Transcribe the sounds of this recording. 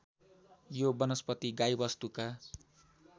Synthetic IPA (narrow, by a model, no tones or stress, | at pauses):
jobʌnʌspʌt̪iɡajbʌst̪uka